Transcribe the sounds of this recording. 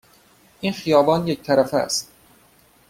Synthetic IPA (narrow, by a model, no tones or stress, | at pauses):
ʔinxijɒːbɒːnject̪ʰæɾæfæ̰st̪